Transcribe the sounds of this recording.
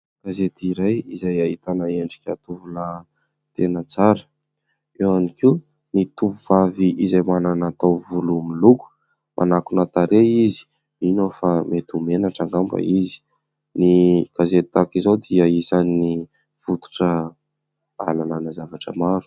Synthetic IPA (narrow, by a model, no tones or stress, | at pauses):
ɡ̥azet̪iɾajizajaɦit̪anaeɳɖ͡ʐi̥kʲat̪uvula | t̪enət͡saɾə | ewanikʰiw | nit̪uvuv̥aviʔizajmananat̪awvulumiluku̥ | mʔa̰nakunat̪aɾeizi̥ | minofamet̪umenaʈ͡ʂaŋɡamba̰izi̥ | niɡ̥azet̪it̪akizawd̪iaisani | v̥ut̪u̥ʈ͡ʂə | a̰lananəzavaʈ͡ʂə̰maɾu̥